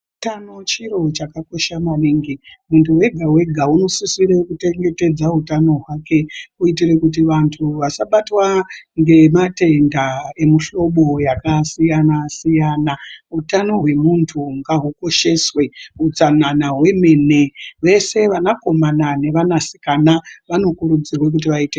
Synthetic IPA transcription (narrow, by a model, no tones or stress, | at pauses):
utanot͡ʃiro̞t͡ʃakako̞ʃamaniŋɡimuntuwe̞ɡʱawe̞ɡʱauno̞susiɾekute̞ŋɡe̞te̞d͡zaɦutano̞ɦwake̞uitire̞kut̬iʋantʰuʋasaɓatwaŋɡe̞mate̞ndae̞muɬo̞ɓo̞jakasijanasijanaɦutano̞ɦwe̞muntʰuŋɡaɦuko̞ʃe̞swe̞ut͡sananaɦwe̞me̞ne̞ʋe̞se̞ʋanako̞manane̞ʋanasi̥kanaʋano̞kuɾud͡zirwe̞k̬ut̬iʋaite